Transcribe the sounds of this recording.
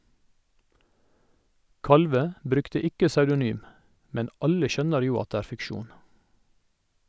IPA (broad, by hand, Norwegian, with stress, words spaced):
ˈkɑlʋə ˈbɾʉktə ˈɪkə sɑʉdʊˈnyːm ˈmɛn ˈɑlə ˈʃœnəɾ ˈjuː ˈɑt ˈdeː ˈæːɾ fɪkˈʃuːn